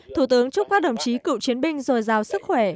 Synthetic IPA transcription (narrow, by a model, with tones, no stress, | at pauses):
t̪ʰu˧˩t̪ɨ˨˦əŋt͡ɕʊ˦˥k͡p̚kaː˦˥ɗə˨˧˩wŋ͡mt͡ɕi˨˦kɨ̰˧˨wt͡ɕi˨˦ənɓï˧ŋ̟zo˨˩jzaː˨˩wsɨ˦˥k̚xwɛ˧˩